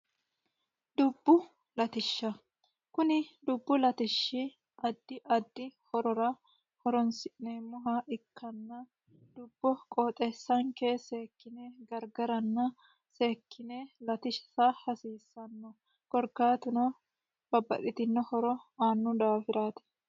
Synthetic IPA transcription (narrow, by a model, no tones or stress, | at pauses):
d̪̥ʊbːʊ | lɐt̪ɪʃːɐ | kʊnɪd̪ʊbːʊlɐt̪ɪʃːɪ | ʔɐd̪ːɪʔɐd̪ːɪhɔɾɔɾɐ | hɔɾɔnsɪʔneːmːʊɦaʔɪkːɐnːɐ | d̪̥ʊbːɔkʼɔːt̪ʼeːsːɐŋke̞ːseːkːɪneɡɐɾɡɐɾɐnːɐ | seːkʰːɪnelɐt̪ɪʃsahɐsiːsːɐnːɔ | kɔɾkaːt̪ɪnɔ | b̥ɐbːɐ̰ᶑɪt̪ɪnːɔhɔɾɔaːnːʊd̪aːfɪɾaːt̪ɛ̥